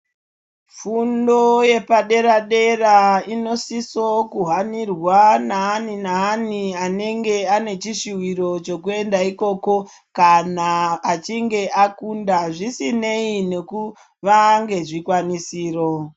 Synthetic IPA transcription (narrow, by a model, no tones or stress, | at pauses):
fundo̞je̞paɗe̞ɾaɗe̞raino̞siso̞kuɦanirwanaːninaːniane̞ŋɡe̞ane̞t͡ʃiʃiwiɾo̞t͡ʃo̞kue̞ndaiko̞ːko̞ | kanaːt͡ʃiŋɡe̞ʔakundaʐisine̞ine̞ku | ʋaŋɡe̞ʐikwanisiːro̞